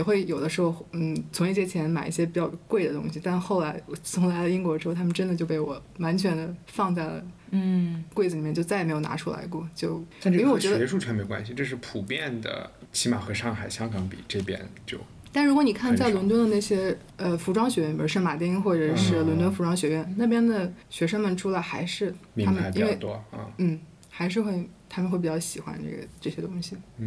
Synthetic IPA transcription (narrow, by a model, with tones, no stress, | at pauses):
jɛ˨˩xwe˥˩ɪjo˨˩ʊd̪ə˦ʂɻ̩˧˥xo˥˧ʊn̩˥˩t͡sʰʊ˧˥ŋi˥˩ɕjɛ˥t͡ɕʰjɛ˧˥nma˨˩ɪʔi˥˩ɕjɛ˥p̬i˨˩t͡ɕjɑ˥˧ʊkwe˥˩ɪd̪ə˩t̪ʊ̰˥ŋɕi˨˩t̪a˥˧nxo˥˩ʊla˧˥ɪ˩sʊ˧˥ŋla˧˥ɪlə˧i˥ŋkwɔ˧˥ɻ̩˧xʰmə˨ʈ͡ʂə˥nd̪ə˨t͡ɕjo˥˧ʊpe˥˩ɪwɔ˨˩wa˧˥nt͡ɕʰɥɛ˧˥nd̪ə˧fɑ˥˧ŋt͡sa˥˩ɪlə̰˩˥˩ | kwe˥˩ɪd͡z̩˨˩i˨mjɛ˥˧˩t͡ɕo˥˧t͡sa˥˩ɪme˧˥ɪjo˨˩ʊn̰˧˥ʈ͡ʂʰu˥la̰˧˥ɪkwɔ˥˩t͡ɕjo˥˧ʊa˥˧˥e˥˩wɔ˨˩t͡ɕɥɕɛ˧˥ʂu˥˩t͡ɕʰɥɛ˧˥nme˧˥ɪkwa̰˥nɕi˨ʈ͡ʂɤ˥˧ʂ̬ɻ̩˥˩pʰu˨˩pjɛ˥˩nd̪ə̰˩t͡ɕʰi˧˥ma˨˩xɤ˧˥ʂɑ˥˩ŋxa˨˩ɪɕjɑ˥ŋkɑ˧˥ŋpḭ˨˩ʈ͡ʂɤ˥˩pjɛ̰˥nt͡ɕjo̰˥˩ʊ | t̪a˥˩ʂɻkwn˨˩kʰa˥˧nt͡sa˥˩ɪlwnt̪wə˥nd̪ə˧na˥˩ɕjɛ˥ | ə˧fu˧˥ʈ͡ʂwɑ˥ŋɕɥɛ˧˥ɥɛ˥˩i˩˧˥ʂɻ̩˥˩ma˨˩t̪jɛ˥i˥ŋxwɔ˥˩ʈ͡ʂə˨˩ʂɻ̩˥˩lwə˧˥nt̪wə˥nfu˧˥ʈ͡ʂwɑ˥ŋɕɥɛ˧˥ɥɛ˥˩nna˥˩pjɛ˥nd̪ə˨ɕɥɛ˧˥ʂə˥ŋmə˨nʈ͡ʂʰu˥la˧˥ɪxa˧˥ɪʂɻ̩˥˩mi˧˥a˥mə˨a˧˩pi˨˥˩we˥˧˩ɪt̪wɔ˥ə̰˥˧˩n̩˥˩ | xa˧˥ɪʂ̬ɻ̩˥˧xwe˥˩ɪt̪ʰa˥mə˧nxwe˥˩pi˨˩t͡ɕjɑ˥˩ɕi˨˩xwa̰˧˥nʈ͡ʂḛ˥˩ɡə̰˩ʈ͡ʂɤ˥˩ɕjɛ˥t̪ʊ˥ŋɕi˨˩˥